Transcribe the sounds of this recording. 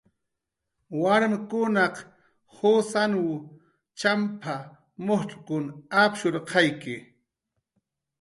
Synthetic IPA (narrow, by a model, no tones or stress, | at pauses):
waɾmɪkʊnɑq | hosanw | t͡ʃampʰa | mohʈ͡ʂkʊnapʃʊɾqʰɑjkɪ